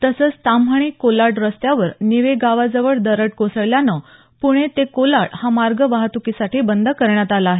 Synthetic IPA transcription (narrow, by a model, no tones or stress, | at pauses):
t̪əsət͡st̪amɦəɳ̃iːkolaɽɾəst̪jaʋəɾniʋeɡaʋad͡zəʋəɭd̪əɾəʈ̚kosəɭljanə | puɽ̃et̪ekolaɽhamaɾɡəʋaɦt̪ukisaʈʰiːbənd̪ʱəkəɾɳjat̪alaːɦe